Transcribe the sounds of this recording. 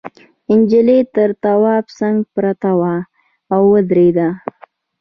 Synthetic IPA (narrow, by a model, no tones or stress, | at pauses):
ɪnd͡ʒɪlet̪əɾt̪awɑpsaŋɡpɾat̪awaː | wːəd̪ɾed̪a